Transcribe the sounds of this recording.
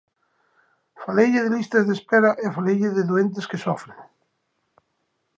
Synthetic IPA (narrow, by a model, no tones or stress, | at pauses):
falejʎɪðelist̪azðespeɾaʔefalejʎɪðeðuent̪̬eskesɔfɾeŋ